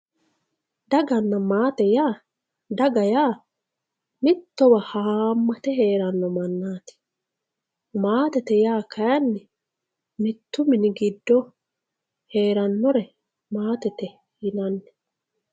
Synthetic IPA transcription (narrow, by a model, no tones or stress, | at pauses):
d̪ɐɡɐnːɐmaːt̪ɛjaː | d̪ɐɡɐjaː | mɪt̪ːɔwɐhaːmːɐt̪ɛɦe̞ːɾɐnːɔmɐnːaːt̪ɪ̥ | maːt̪ɛt̪ɛjaːkʰɐjɐnːɪ | mɪt̪ːʊmɪnɪɡɪd̪ːɔ | he̞ːɾɐnːɔɾɛ | maːt̪ɛt̪ɛ | hɪnɐnːɛ̥